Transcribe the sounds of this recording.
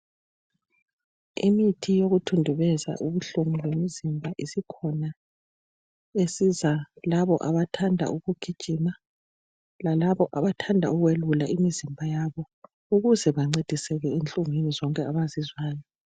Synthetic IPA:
ḭmitʰijoɣutʰundʱuβɛza̰ʔuβuɬuŋulwemizimbʱaʔisikʰɔna | esizalaβɔʔaβatʰandʱa̰uɣuɡ̥ʱid̥ʒ̥ʱima | lalaβɔʔaβatʰandʱa̰uɣwelulaʔimizimbʱajaβɔ | uɣuzɛβaŋ͡ǀed̥ʱisɛɣɛent͡ɬʼuŋenizɔŋkʼɛaβazizwaːjɔ

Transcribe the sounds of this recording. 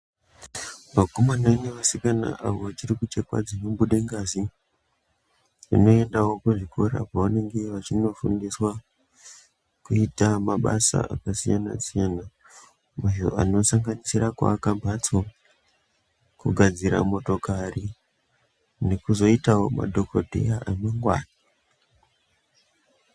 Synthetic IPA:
makomananeʋasikana̰ʔaʋoʋat͡ʃirikut͡ʃe̞kwa̰d͡zinoɓuɗeŋɡazi | ʐino̞e̞ndawo̞kuʐiko̞ɾa̰paʋane̞ŋɡe̞ʋat͡ʃino̞fundiswa | kuitamaɓa̰sa̰ʔa̰kasijana̰sijana | muʒoano̞saŋɡanisirakwa̰ːkambʱat͡so | kuɡʱad͡ziɾa̰mo̞to̞kari | ne̞kuzo̞itaoma̰dʱo̞kodʱe̞̰jaʔanoŋɡwa̰ːna

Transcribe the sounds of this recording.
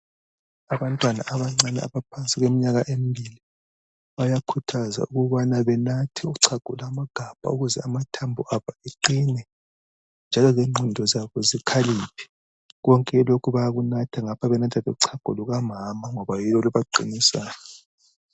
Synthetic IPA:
aβantʼwana̰ʔaβaŋ͡ǀanɛa̰βapʰant͡sʼiɣemiɲaɣaʔembʱili | βajakʰutʰaza̰uɣuβanaβɛnatʰɛuuǀʰaɡ̥ʱṵlamaɡ̥ʱab̥ʱa̰uɣuzɛ̰amatʰambʱuʔaβaeǃinɛ | nd͡ʒʱalɔɣeŋ͡ǃʱundʱɔzaβɔzikʰaliːpʰɛ̥ | ɣɔŋkʼɛlokʰuβajaɣunatʰaŋapʰaβɛnatʰaβɛuǀʰaɡ̥ʱṵluɣamamaŋɔβajilɔlɔβaǃḭnisaːnɛ

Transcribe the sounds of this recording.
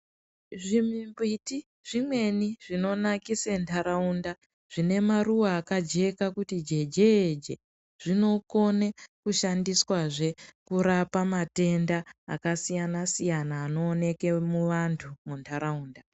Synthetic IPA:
ʐimimbiti | ʐ̥imwe̞niʐino̞nakisentʰaɾaunda | ʐ̥ine̞maruwaːkad͡ʒe̞kakutid͡ʒe̞d͡ʒeːd͡ʒḛ | ʐ̥ino̞ko̞nekuʃandiswaʐe̞kuɾapamate̞nda̰ːkasijanasijanaːno̞ːne̞ke̞muʋantʰumuntʰaɾauːnda

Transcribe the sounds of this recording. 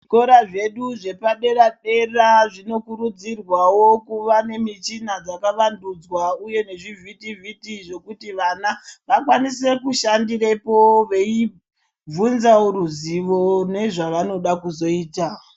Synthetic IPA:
koɾaʐe̞ɗuʐe̞paɗe̞ɾaɗe̞raʐino̞kuɾud͡zirwawokuʋane̞mit͡ʃinad͡zakaʋandud͡zwauje̞ne̞ʐivʱitivitiʐe̞kutiʋanaʋakwanise̞kuʃandirepoʋe̞i | b͡vunzaoɾuziʋo̞ne̞ʐaʋano̞ɗakuzo̞iːta

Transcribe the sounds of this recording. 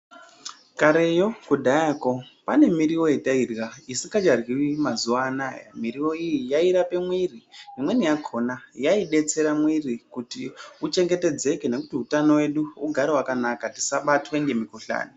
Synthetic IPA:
kaɾejo̞kudʱajako̞pane̞miɾiwo̞etairɣaisikad͡ʒarɣiwimazuʋaːnaja̰miɾiwo̞ijijaiɾape̞mwiriimwe̞nijakʰo̞najaiɗe̞t͡se̞ɾamwirikutiut͡ʃe̞ŋɡe̞te̞d͡ze̞kene̞kutiutano̞we̞ɗuuɡʱaɾewakanakati̥saɓatweŋɡe̞mikuɬa̰ːni

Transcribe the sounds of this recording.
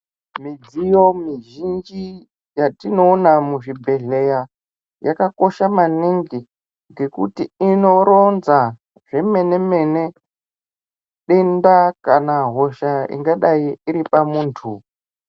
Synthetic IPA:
mid͡zijo̞miʒind͡ʒi | jatino̞ːnamuʐibʱe̞ɮe̞ja | jakako̞ʃamaniŋɡi | ŋɡe̞kutiino̞ɾo̞nza | ʐ̥e̞me̞ne̞me̞ne̞ | ɗendakanaɦo̞ʃaḭŋɡaɗaiiɾipamuːntʰu

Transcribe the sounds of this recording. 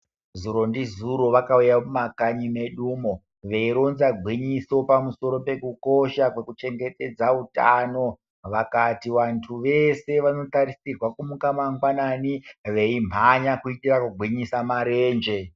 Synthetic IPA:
zuɾo̞ndizuɾo̞ʋakaujamumakaɲime̞ɗuːmo | ʋe̞iɾonzaɡʱwiɲiso̞pamuso̞ɾo̞pe̞kuko̞ʃakwe̞kut͡ʃe̞ŋɡe̞te̞d͡zauta̰no̞ | ʋakatiʋantʰuʋe̞se̞ʋano̞taɾisirwakumukamaŋɡwananiʋe̞im̤aɲakuitirakuɡʱwiɲisamaɾe̞ːnd͡ʒe̞

